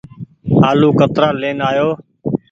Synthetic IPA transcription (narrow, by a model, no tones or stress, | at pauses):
ɦaːluːkət̪ɾaːleːnaːjoː